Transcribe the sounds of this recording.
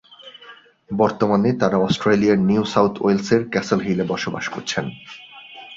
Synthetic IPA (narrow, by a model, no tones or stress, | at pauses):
bɔɾt̪omanet̪aɾaɔsʈɾeliaɾniusawt̪ʰo̰jlseɾkɛselɦilebɔʃoba̰ʃko̰ɾt͡ɕʰen